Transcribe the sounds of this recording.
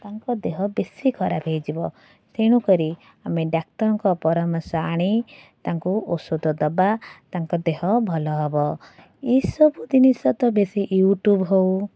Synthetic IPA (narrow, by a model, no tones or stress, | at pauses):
t̪aŋkɔd̪eɦɔbesikʰɔɾabʱejd͡ʒibɔ | seɽ̃ukɔɾi | ameɖak̚t̪ɔɾɔŋkɔpɔɾɔmɔɾsaaɽ̃it̪aŋkuʔosud̪ɔd̪ɔbat̪aŋkɔd̪eɦɔbʱɔlɔɦɔbɔ | isɔbud̪inisɔt̪ɔbesiʔjuʈjubɦow